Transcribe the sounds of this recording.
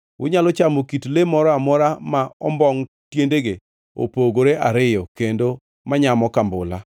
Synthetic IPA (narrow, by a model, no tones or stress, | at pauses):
wʊ̰ɲalɔt͡ʃamokitlemɔɾɔamɔɾamaɔ̰mbɔŋ | tjendeɡe | o̰poɡoɾeʔaɾɪjɔkendo | maɲamɔkambʊla̰